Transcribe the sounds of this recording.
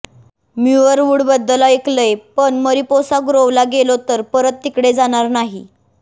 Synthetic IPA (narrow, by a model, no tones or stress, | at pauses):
mjuʋəɾʋuɽbəd̪ːəlaekləjpəɳməɾiposaɡɾowlaɡelot̪əɾpəɾət̪̚ːikɽed͡zaɽ̃aɾnaɦḭ